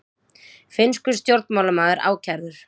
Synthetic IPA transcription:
fɪnskʏst̪jowɾt̪nmawlamaːðɪɾʔa̰ːwcʰaɾðʏɾ̥

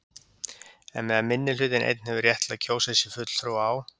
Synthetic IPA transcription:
ɛ̰nmɛðamɪnːɪl̥ʏt̪ɪnʔḛjt̪n̥hɛvɪɾrjɛht̪laðcʰoːwsɛsɪfʏt̪l̥θɾuwaːw

